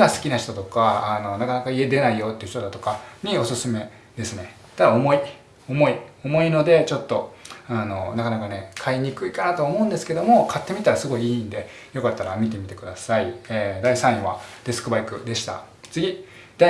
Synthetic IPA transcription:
ɡasɨ̥kʲinaçi̥t̪o̞t̪o̞kaːno̞nakanakaie̞d̪e̞naijo̞ːt̪ːeɯ̟ç̥t̪o̞d̪at̪o̞kaɲ̟io̞sɨsɨme̞ | d̪e̞sɨne̞ | t̪ad̪ao̞mo̞i | o̞mo̞io̞mo̞ino̞d̪e̞t͡ɕo̞t̪ːo̞ano̞nakanakane̞kʰaiɲ̟ikɯ̟ikanat̪oaomo̞ɯ̃nd̪e̞sɨ̥ke̞d̪o̞mo̞kʰat̪ːe̞mʲit̪aɾasɨɡo̞iiːnd̪e̞ | jo̞kat̪ːaɾamʲit̪̬e̞mʲit̪e̞kɯ̟d̪asaieːd̪aisãɰ̃βa̰d̪esɨ̥kɯ̟baikɯ̟d̪e̞ɕi̥t̪a̰ | t͡sɨɡʲi | d̪̥a

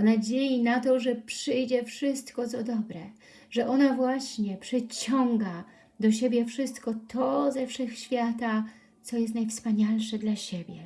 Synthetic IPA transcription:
anad͡ʑejinat̪ɔʐɛpʂɘjd͡ʑɛfʂɘst̪kɔt̪sɔd̪ɔbɾɛ | ʐɛʔɔnavwaɕɲɛpʂɛt͡ɕɔŋɡa | d̪ɔɕebʲjɛfʂɘst̪kɔt̪ʰɔzɛfʂɛxɕfʲjat̪a | sɔjɛst̪najfspaɲalʂɛd̪laɕebʲjɛ

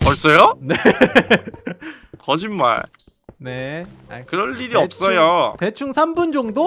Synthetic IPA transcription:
kʌɭs͈ʌjone | kʌd͡ʑinma̰ɭ | ne̞a̰kɯɾʌnːiɾiʌp̚s͈ʌjote̞t͡ɕʰuŋsʰambund͡ʑʌŋdo

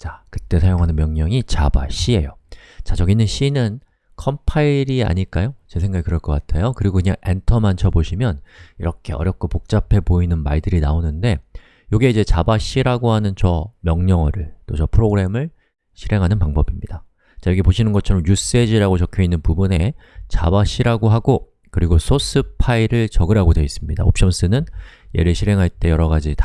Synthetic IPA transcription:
t͡ɕakɯ̥t͈e̞sʰajoŋɦanɯnmjʌŋɲʌŋit͡ɕaba̰ɕ͈ʰie̞jot͡ɕat͡ɕʌɡinːɯnɕ͈ʰinɯn | kʰʌmpʰaiɾia̰ɲiɭk͈ajot͡ɕesʰe̞ŋɡaɡikɯɾʌɭk͈ʌk͈atʰejokɯɾiɡokɯɲa̰ŋentʰʌmant͡ɕʰʌboɕʰimjʌniɾʌkʰe̞ʌ̰ɾjʌp̚k͈opok̚t͡ɕ͈apʰe̞poinɯnmaɭdɯɾinaonɯnde̞ | joɡeid͡ʑe̞t͡ɕabaɕ͈iɾaɡoɦanɯnt͡ɕʌmjʌŋɲʌŋʌɾɯɭt͈ot͡ɕʌpʰɯɾoɡɯɾe̞mɯɭ | ɕʰiɾe̞ŋɦanɯnpaŋbʌbimɲid̥a | t͡ɕajʌɡipoɕʰinɯnɡʌt͡ɕʰʌɾʌmjus͈ɯed͡ʑiɾaɡot͡ɕʌkʰjoinːɯnpubune̞t͡ɕa̰baɕ͈iɾaɡoɦaɡo | kɯɾiɡosʰos͈ʰɯpʰaiɾɯɭt͡ɕʌɡɯɾaɡodwe̞is͈ɯmɲidao̰p̚ɕ͈ʰʌms͈ʰɯnɯnje̞̰ɾɯɭɕʰiɾɦe̞ŋɦaɭt͈e̞jʌɾʌɣad͡ʑita

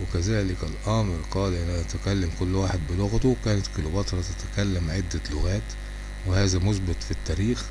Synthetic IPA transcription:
wɪkæzæːlɪkælʔæːmɪɾqɑːlʔɪnʔæʔæt̪ækælːæmkʊlːwaːħed̪̚bɪlʊɣt̪owkæːnɪt̪kilobɑt̪ɾˤɑt̪ɪt̪æ̥kælːæmʕed̪ːælʊɣæːt̪ | wɪhæːzæmʊsbɪt̪ˤfit̪ːæːɾiːx

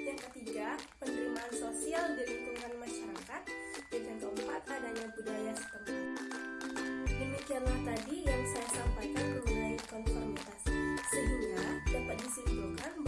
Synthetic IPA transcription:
jaŋkət̪iɡapənɾimaːnsosialdiɾit̪uɦanmaʃaɾakat̪̚dəŋankəumpat̪̚adaɲabudajasə̥pənt̪i | dəmikianlaht̪adijaŋsajasampajkanməŋulaikɔnfɔrmit̪assəɦiŋɡadapat̪̚disimbukan

